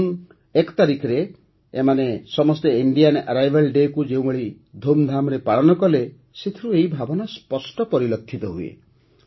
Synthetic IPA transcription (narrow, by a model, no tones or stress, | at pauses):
n | ekt̪aɾikʰɾeː | manesɔmɔst̪eiɳɖijana̰ɾajbʱalɖekud͡ʒew̃beɭi | d̪ʱomd̪ʱamɔɾepaɭɔnɔkɔle | set̪ʰiɾueibʱabɔnaspɔsʈɔpɔɾilɔt̪ʰːit̪ɔɦuḛ